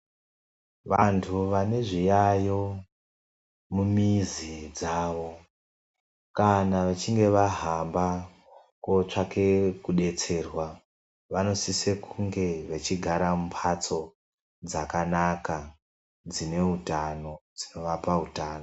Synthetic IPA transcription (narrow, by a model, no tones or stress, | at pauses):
ʋantʰuʋane̞ʐijajo̞ | mumizid͡zaːʋo̞ | kanaʋat͡ʃiŋɡe̞ʋaɦamba | kot͡ʂake̞kuɗe̞t͡se̞ːrwa | ʋano̞sisekuŋɡe̞ʋet͡ʃiɡʱaɾamumpʰat͡so̞ | d͡zakanaka | d͡zine̞utano̞d͡zino̞ʋapautaːno